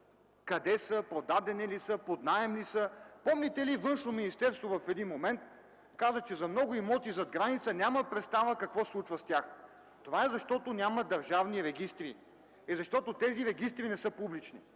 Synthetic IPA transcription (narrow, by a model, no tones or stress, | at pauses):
kɐd̪ɛsəpod̪ad̪ɛnilisəpod̪naɛmlisəpɔmlʲit̪ɛlivɤnʃnominist̪ɛɾst̪vovɐfɛd̪inmomɛnt̪̚ | kazət͡ʃɛzɐmnɔɡʊimɔt̪izɐd̪ɡɾanit̪sənʲaməpɾɛt̪st̪avəkɐkvɔslˠut͡ʃvəst̪ʲjax | t̪ovaɛzɐʃt̪ɔt̪onʲaməd̪ɐɾʒavniɾɛɡist̪ɾḭ | ɛzɐʃt̪ɔt̪ot̪ɛziɾɛɡist̪ɾinɛsɤpublit͡ʃni